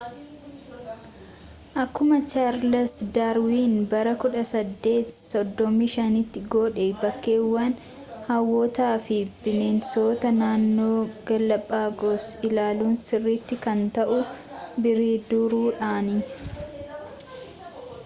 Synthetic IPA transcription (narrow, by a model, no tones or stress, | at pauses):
ʔɐkːʊmɐt͡ʃaɾlɐsd̪aːɾwiːnbɐɾɐkʊᶑɐsɐd̪ːe̞ːt̪sɔd̪ːɔmiːʃɐnɪt̪ːɪɡoːᶑebɐkːe̞ːwːɐn | hɐwːot̪aːfɪb̥ɪnenso̞ːt̪ɐnaːnːo̞ːɡ̥ɐlːɐpʼːaːɡoːsɪlaːluːnsɪrːiːt̪ːɪkɐnt̪ɐʔʊ | bɪɾiːd̪ʊɾuːᶑaːnɪ